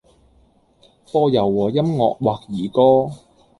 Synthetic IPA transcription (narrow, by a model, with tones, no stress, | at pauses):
pɔː˧jɐ˨˩wːɔː˨˩jɐ˥mŋɔ̰ː˨k̚waː˨k̚jiː˨˩kɔː˥